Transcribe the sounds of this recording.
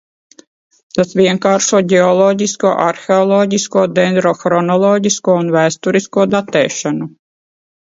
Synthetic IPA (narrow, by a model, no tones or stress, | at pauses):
t̪asvʲiɛŋkaːɾʃuɔɟɛɔlˠɔɟiskuɔʔaɾxeɔlˠɔːɟiskuɔd̪ɛnd̪ɾɔxɾɔnɔlˠɔːɟiskuɔunvæːst̪uɾiskuɔd̪at̪ɛ̰ːʃanu